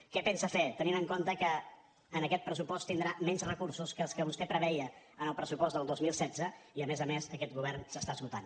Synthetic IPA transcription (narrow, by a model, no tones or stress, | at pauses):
kɛpɛnsəfɛt̪əninəŋkont̪əkəː | nəkɛt̪̚pɾəsupɔst̪ind̪ɾamɛnzrəkuɾsuskəːlˠskəβust̪ɛpɾəβɛjə | ənəlˠpɾəsupɔzd̪əlˠd̪ozmilˠsɛd͡zəiəmɛzəmezəkɛt̪̚ɣuβ̞ɛrnsəst̪aəzɣut̪an